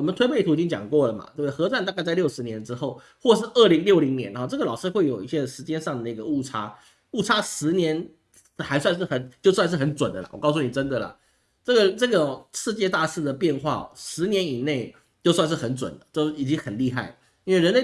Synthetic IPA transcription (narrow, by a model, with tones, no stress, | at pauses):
wɔ˨mə˦nt̪ʰwe˥ɪpʰe˥˩ɪu˧˥i˨˩t͡ɕi˥ŋt͡ɕjɑ̰˨˩ŋkwɔ˥˩lə˩ma̰˩t̪we˥˩ə˩xɤ˧˥t͡swa˥˩nt̪a˥˧kt͡sa˥˧ɪljo˥˩ʊʂɻ̩˧˥njɛ˧˥nʈ͡ʂɻ̩˥xo˥˩ʊ | xwɔ˥˧ʂ̬ɻ̩˥˧ə˥˩li˧˥ŋljo˥˩ʊli˧˥ŋnjɛ˧˥n˧˥ɔ˥˧ʈ͡ʂɤ˥˩ɡə˩lɑ˨˩ʊʂɻ̩˥˧xwe˥˩ɪjo˨˩ʊi˥˩ɕjɛ˧˥ʂɻ̩˧˥t͡ɕjɛ˥nʂɑ˥˩ŋd̪ə˩na˥˩ɡə˩u˥˩ʈ͡ʂʰa˥ | u˥˩ʈ͡ʂʰa˥ʂɻ̩˧˥njɛ˧˦˥n | xa˧˥ɪswnʂ̬ɻ̩˥˩xə˧˩nt͡ɕjo˥˧ʊswa˥˧nʂɻ̩˥˩xə˧˥nt͡swə˨˩nd̪ə̰˦lə̰˩wɔ˨˩kɑ˥˧ʊs̬u˥˩ni˨˩ʈ͡ʂə˦˥nd̪ə˨lə̰˩ | ʈ͡ʂɤ˥˩ɡə˩ʈ͡ʂɤ˥˩ɡə˩ʂɻ̩˥˧t͡ɕjɛ˥˧t̪a˥˧ʂɻ̩˥˩d̪ə˩pjɛ˥˧nxwa̰˥˩ʂɻ̩˧˥njɛ˧˥ni˨˩ne˥˩ɪ | t͡ɕjo˥˧ʊswa˥˧nʂɻ̩˥˩xə˧˥nt͡swə̰˨˩nd̪ə˦t͡ɕo˥˧ʊi˨˩t͡ɕi˦˥ŋxə˨˩nli˥˧xa˥˩ɪ | i˥nwe˥˩ɪɻə˧˥nle˥˧˩